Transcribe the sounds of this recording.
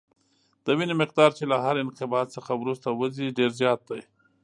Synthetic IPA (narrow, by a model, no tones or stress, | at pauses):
d̪̥əwinemɪq̚d̪ɑɾt͡ʃelaɦaɾɪnqɪbɑt̪səxawɾust̪awəziɖeɾzjɑt̪̚d̪aj